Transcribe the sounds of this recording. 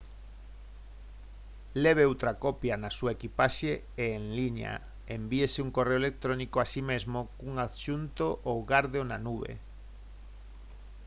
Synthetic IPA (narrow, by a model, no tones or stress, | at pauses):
leβ̞eowt̪ɾakopjanasuaekipaʃe | eːŋliɲa̰ | embiesɪuŋkoreoelek̚t̪ɾonikoasimezmokuŋaðʃunt̪oʔowɣaɾðonanuβḛ